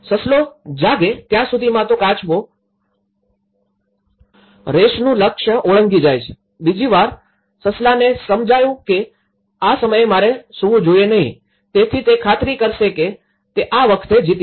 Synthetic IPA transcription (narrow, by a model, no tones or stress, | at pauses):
səslod͡ʒaɡet̪jãsud̪ʱimãt̪okãt͡ʃʋo | ɾeʃnũləkʃəoɭəŋɡid͡ʒajt͡ʃʰe̥ | bid͡ʒiʋaɾ | səslanesəmd͡ʒajũke | asəməjemaɾesuũd͡ʒojenəɦĩ | t̪et̪ʰit̪ekʰat̪ɾikəɾʃeke | t̪eʔaʋəkʰt̪ed͡ʒit̪i